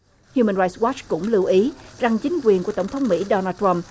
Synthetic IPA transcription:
hju˧mə˧nɹaː˧jswɔ˦˥t͡ɕkʊ̰˧˥ŋ͡mlɨ˧əwʔi˨˦za˨˩ŋt͡ɕï˨˦ŋ̟kwi˨˩ənku˧˩ət̪wŋ͡mt̪ʰə˨˦wŋ͡mmḭ˧˥ɗɔ˧naː˧˩twa˧m

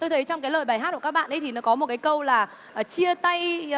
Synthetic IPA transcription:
t̪o˧jt̪ʰə˨˦jt͡ɕɔ˧ŋ͡mkaː˨˦jləː˨˩jɓa˨˩ɦa˦˥ku˧˩kːk̚ɓa̰ː˧˨nʔə˨˦t̪ʰi˨˩nɔ˨˦kɔ˨˦mo˨˩t̚kaː˨˦jkə˧wlaː˨˩ | ʔt͡ɕi˧ət̪a˧j

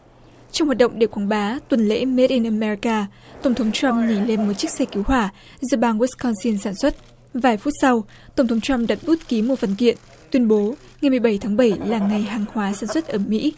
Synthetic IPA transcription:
t͡ɕɔ˧wŋ͡mhwaː˨˩t̚ɗə̰˧˨ŋ͡mɗe˧˩kwaː˨˦ŋɓaː˨˦t̪wə˨˩nlḛ˧˥me˦˥t̚ʔi˧nʔə˧mɛ˧ɹi˧kaː˧ | t̪ə˧˩wŋ͡mt̪ʰŋ͡mt͡ɕwa˧mŋi˧˩le˧nmo˨˩t̚t͡ɕɨ˦˥k̚sɛ˧ki˨˦wɦwaː˧˩ | zɨ˧ɓaː˧ŋwu˦˥skɔ˧nsi˧nsaː˧˩nswə˦˥t̚ | vaː˨˩jfu˦˥t̚sa˧w | t̪ə˧˩ŋ͡mt̪ʰŋ͡mt͡ɕwa˧mɗa˨˩t̚ɓu˦˥t̚ki˨˦mo˨˧˩fə˨˩nkḭ˧˨ən | t̪wi˧ənɓo˨˦ | ŋa˨˩jmɨ˨˩əjɓə˧˩jt̪ʰaː˨˦ŋɓə˧˩jlaː˨˩ŋa˨˩jɦaː˨˩ŋhwaː˨˦saː˧˩nswə˦˥t̚ʔəː˧˩mḭ˧˥

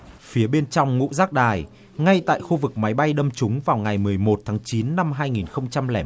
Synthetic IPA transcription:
fi˨˦əɓe˧nt͡ɕɔ˧wŋ͡mŋṵ˧˥zaː˦˥k̚ɗaː˨˩j | ŋa˧jt̪a̰ː˧˨jxu˧vɨ˨˩k̚ma˨˦jɓa˧jɗə˧mt͡ɕʊ˨˦ŋ͡mvaː˨˩wŋa˨˩jmɨ˨˩əjmo˨˩t̚t̪ʰaː˨˦ŋt͡ɕi˨˦nːa˧mɦaː˧jŋi˨˩nxə˧wŋ͡mt͡ɕa˧mlɛ̰ː˧˩

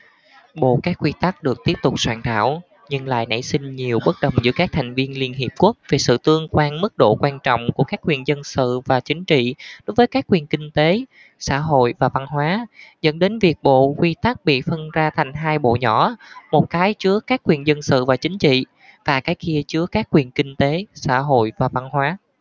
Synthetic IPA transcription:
ɓo̰˧˨kaː˦˥k̚ːwi˧t̪a˦˥k̚ɗɨ˨˩ək̚t̪i˦˥əp̚t̪ʊ˨˩k͡p̚swaː˧˩ŋt̪ʰa̰ː˧˩˨w | ɲɨ˧ŋla̰ː˧˨jna̰˧˥jsï˧ŋ̟ɲi˨˩əwɓə˦˥t̚ɗə˨˩wŋ͡mzɨ̰˧˥əkaː˦˥k̚t̪ʰa˨˩jŋ̟vi˧ənli˧ənɦi˨˩əp̚ku˦˥k̚ve˨˩sɨ̰˧˨t̪ɨ˧əŋkwaː˧nmɨ˦˥k̚ɗo̰˧˨kwaː˧nt͡ɕɔ̰˧˨wŋ͡mku˧˩əkaː˦˥k̚ːwi˨˩ənzə˧nsɨ̰˧˨vaː˨˩t͡ɕï˨˦ŋ̟t͡ɕḭ˧˨ɗo˨˦jvəː˨˦jkaː˦˥kːwi˨˩nkï˧ŋ̟t̪e˨˦ | sa̰ː˧˥ɦo̰˧˨jvaː˨˩va˧nɦwaː˨˦zə̰˧˥nɗe˨˦nvi˨˩ək̚ɓo̰˧˨kwi˧t̪a˦˥k̚ɓḭ˧˨fə˧nzaː˧t̪ʰa˨˩jŋ̟ɦaː˧jɓo̰˧˨ɲɔ˧˩˥mo˨˩t̚kaː˨˦jt͡ɕɨ˨˦˥əkaː˦˥kːwi˨˩ənzə˧nsɨ̰˧˨vaː˨˩t͡ɕï˨˦ŋ̟t͡ɕḭ˧˨ | vaː˨˩kaː˨˦jki˧ət͡ɕɨ˨˥əkaː˦˥kːwi˨˩ənkï˧ŋ̟t̪e˨˦sa̰ː˧˥ɦo̰˧˨jvaː˨˩va˧nɦwaː˨˦

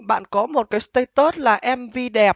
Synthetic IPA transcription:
ɓa̰ː˧˨nkɔ˨˦mo˨˩t̚kaː˨˦st̪ə˧jt̪o˦˥t̚laː˨˩ʔɛ˧mvi˧ɗɛ˨˩p̚

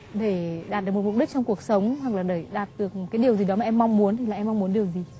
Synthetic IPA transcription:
ɗe˧˩ɗaː˨˩t̚ɗɨ˨˩mo˨˩m˨˩k͡p̚ɗi˦˥k̚t͡ɕɔ˧wŋ͡mku˨˩ək̚sə˨˦wŋ͡mhwa˨˩k̚laː˨˩ɗe˧˩ɗaː˨˩t̚ɗɨ˨˩ək̚m˨˩tkaː˨˦jɗi˨˩əwzi˨ɗɔ˨˦maː˨ʔɛ˧mːɔ˧wŋ͡mmu˨˦ənt̪ʰi˨˩aː˨ʔɛ˧mːa˧ŋ͡mmu˨˦ənɗi˨˩əwzi˨˩

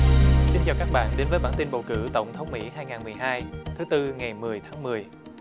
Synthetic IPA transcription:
si˧nt͡ɕɔ˧kaː˦˥k̚ɓa̰ː˧˨nɗe˨˦nvəː˨˦jɓaː˧˥˨nt̪i˧nɓə˨˩wkɨ̰˧˥t̪ə˧˩wŋ͡mt̪ʰə˨˦wŋ͡mmḭ˧˥ɦaː˧jŋaː˨˩nm˨˩əjɦaː˧jt̪ʰɨ˨˦t̪ɨ˧ŋa˨˩jmɨ˨˩əjt̪ʰaː˨˦ŋmɨ˨˩əj

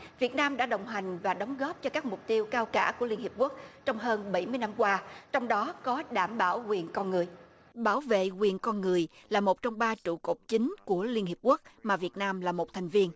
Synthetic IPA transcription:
vi˨˩ət̚naː˧mɗa̰ː˧˥ɗə˨˩wŋ͡mɦa˨˩jŋ̟vaː˨˩ɗɔ˨˦wŋ͡mɣɔ˦˥p̚t͡ɕɔ˧kaː˦˥k̚mʊ˨˩k͡p̚t̪i˧əwkaː˧wkaː˧˩ku˧˩əli˧nhi˨˩əp̚ku˦˥ək̚t͡ɕɔ˧wŋ͡mɦəː˧nɓə˧˩jmɨ˧əjna˧mkwaː˧t͡ɕɔ˧wŋ͡mɗɔ˨˦kɔ˨˦ɗaː˧˩mɓaː˧˩wɣwi˨˩ənkɔ˧nŋɨ˨˩əj | ɓaː˧˩wvḛ˧˨ɣwi˨˩ənkɔ˧nŋɨ˨˩əjlaː˨˩mo˨˩t̚t͡ɕɔ˧wŋ͡mɓaː˧t͡ɕṵ˧˩ko˨˩p̚t͡ɕï˨˦ŋ̟ku˧˩əli˧ənhi˨˩əp̚ku˦˥ək̚maː˨˩vi˨˩ət̚naː˧mlaː˨˩mo˨˩t̚t̪ʰɛ˨˩jŋ̟vi˧ən

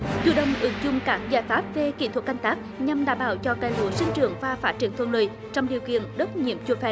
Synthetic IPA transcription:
t͡ɕṵ˧˩ɗə˨˧˨wŋ͡mʔɨ˨˦ŋzʊ˨˧ŋ͡mkaː˦˥k̚zaː˧˩jfaː˦˥p̚ve˨˩kḭ˧˩t̪ʰwə˨˩k̚ka˧jŋ̟t̪aː˦˥k̚ɲa˧mɗa̰ː˧˩mɓaː˧˩wt͡ɕɔ˧kaː˧˩jlṵ˧˨əsï˧ŋ̟t͡ɕɨ̰˧˨əŋvaː˨˩faː˦˥t̚t͡ɕi˧˩əŋt̪ʰə˧˩nlə̰ː˧˨j | t͡ɕɔ˧wŋ͡mɗi˨˩əwkḭ˧˨ənɗə˦˥t̚ɲḭ˧˨əmt͡ɕu˧əfɛ̰˧˩˦

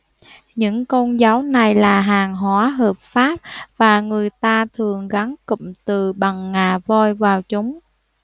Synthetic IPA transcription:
ɲɨ̰˧˥ŋko˧nzaː˨˦wna˨˩jlaː˨˩ɦaː˨˩ŋɦwaː˨˦ɦəː˨˩p̚faː˦˥p̚vaː˨˩ŋɨ˨˩əjt̪aː˧t̪ʰɨ˨˩əŋɣa˨˦ŋkɨ̰˧˨mt̪ɨ˨˩ɓa˨˩ŋːaː˨˩vo˧jvaː˨˩wt͡ɕʊ˨˦ŋ͡m

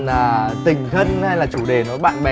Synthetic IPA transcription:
naː˨˩t̪ï˨˩ŋ̟xə˧nha˧jlaː˨˩t͡ɕu˧˩ɗe˨˩nɔ˨˦jɓa̰ː˧˨nɓɛ˨

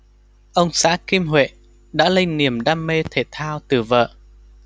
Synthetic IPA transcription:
ʔə˧wŋ͡msa̰ː˧˥ki˧mɦwḛ˧˨ | ɗa̰ː˧˥lə˧jni˨˩əmɗaː˧mːe˧t̪ʰe˧˩t̪ʰaː˧wt̪ɨ˨˧˩və̰ː˧˨

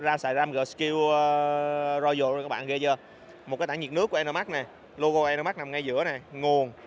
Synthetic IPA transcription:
zaː˧msaː˧˨˩zaː˧mɣəː˨˩ski˧w | zɔ˧jzo˧˩˨kaː˦˥kɓa̰ː˧˨ɣə˧t͡ɕə˧ | mo˨˩t̚kːaː˨˦t̪aː˧˦ɲi˨˩tnɨ˦˥ku˧˩˦ʔɛ˧nə˧ma˦˥k̚nɛ˨˩ | lo˧ɣo˧ʔɛː˧nə˧ma˦˥k̚na˨˩mŋa˧jzɨ̰˧˥ənɛ˨˩ŋu˨˩ən

